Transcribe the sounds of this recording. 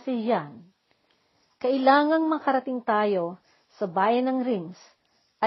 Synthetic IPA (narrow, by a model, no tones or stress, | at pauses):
sɪjan | kɐʔɪlaːŋɐŋmɐkɐɾɐt̪ɪŋt̪aːjo̞ | sɐbaːjɐnɐŋɾiŋs | ʔɐ